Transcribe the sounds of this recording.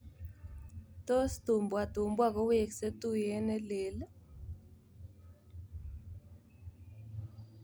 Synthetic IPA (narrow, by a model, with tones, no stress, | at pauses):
to˦sto˨mbwa˨to˨mbwa˦kɔ˦we˦˨kse˦tu˦jɛ˦nɛ˦le˨l